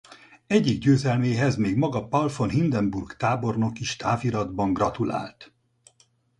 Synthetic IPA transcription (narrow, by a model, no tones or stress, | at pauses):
ɛɟːiɡɟøːzɛlmeːɦɛzmeːɡmɒɡɒpɒlfo̞nɦind̪ɛmburkt̪aːbo̞rno̞kiʃt̪ʰaːviɾɒd̪bɒŋɡrɒt̪ula̰ːlt̪